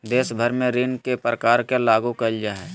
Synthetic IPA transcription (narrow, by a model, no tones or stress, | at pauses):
d̪eːsbʱəɾmẽɾɪːnkepɾəkaːɾkelaːɡukəld͡ʒaːɦɛː